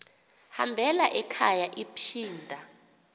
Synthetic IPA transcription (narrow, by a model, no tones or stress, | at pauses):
ha̰mbʱɛlaʔɛkʰajaʔipʰiːndʱa